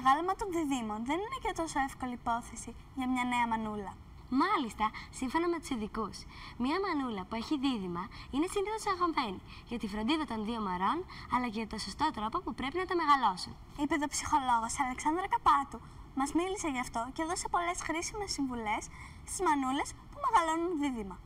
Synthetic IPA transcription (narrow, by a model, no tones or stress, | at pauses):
ɐɣɐlomɐt̪o̞nðiðimo̞nðe̞nine̞cet̪o̞so̞e̞fko̞liːpo̞θe̞si | ʝɐmɲɐne̞ɐmɐnulɐ | mɐlist̪ɐsiɱfo̞nɐme̞t̪u̥siðikusmɲɐmɐnulɐpue̞çiðiðimɐine̞sind̪ɐxot̪sɐɣomeni | ʝɐt̪ifɾo̞nd̪iðɐt̪o̞nðio̞meɾo̞nɐlɐcemet̪osost̪o̞t̪ɾo̞po̞pupɾe̞pinɐt̪ome̞ɣɐlo̞sun | ipeðo̞psixo̞lo̞ɣosɐle̞ksɐnd̪ɾɐkɐpɐt̪u | mɐzmilise̞ʝɐft̪o̞ce̞ðo̞sepo̞le̞sxɾisime̞sːiɱvule̞s | st̪izmɐnule̞s | pume̞ɣɐlo̞nunðiðimɐ